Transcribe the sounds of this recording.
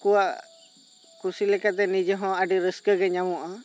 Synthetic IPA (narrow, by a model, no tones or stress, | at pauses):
kuwaʔ | kusilɛkat̪ɛnid͡ʒɔɦɔ̃aɖiɾəskəɡɛɲamɔʔa